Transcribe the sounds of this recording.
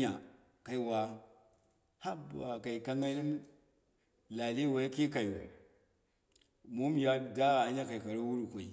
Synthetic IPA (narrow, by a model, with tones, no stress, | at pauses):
a̰˨ | ka˨i˨wa˨ | ha˦ba˨ka˨i˨ka˦ŋa˦ni˦m | la˨li˦wa˨˦ki˦ka˨ji˨ṵ˨ | mu˦m˦ja˦da˦˨a˨˦ɲa˦ka˨i˨ka˨ɾo˦wu˦ɾu˨kʷa˨ḭ˨